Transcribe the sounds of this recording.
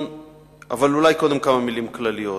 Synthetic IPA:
a̰valulajko̞d̪e̞mkamamilimklalijo

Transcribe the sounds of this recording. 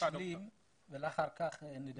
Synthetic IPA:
alim | bɛlaχaɾkaχnɪd

